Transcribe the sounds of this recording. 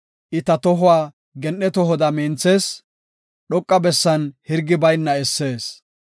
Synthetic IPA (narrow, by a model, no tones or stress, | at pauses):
ʔɪt̪ɐt̪ɔɦʊwaː | ɡɛnɗɛt̪ɔɦɔd̪ɐmiːnt͡se̞ːs | ɗɔkʼːɐbɛsːɐnhɪɾɡːɪbɐjnːɐɛsːe̞ːs